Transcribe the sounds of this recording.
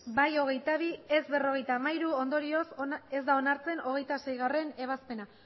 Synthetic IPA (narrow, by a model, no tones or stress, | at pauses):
bajo̞ɣ̞e̞jt̪aβ̞ie̞zβe̞ro̞ɣ̞e̞jt̪aːmajɾuo̞nd̪o̞ɾio̞se̞zd̪ao̞naɾt͡se̞no̞ɣ̞e̞jt̪ase̞jɣare̞ne̞β̞aspe̞na